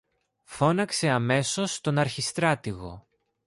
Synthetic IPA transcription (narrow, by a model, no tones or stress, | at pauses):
fo̞nɐkse̞ɐme̞so̞st̪o̞nɐɾçist̪ɾɐt̪iɣo̞̰